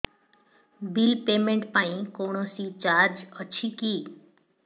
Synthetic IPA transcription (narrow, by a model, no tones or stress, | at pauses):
bilpemeɳʈpaĩkoɳosit͡ɕaɾd͡ʒɔt͡ɕʰiki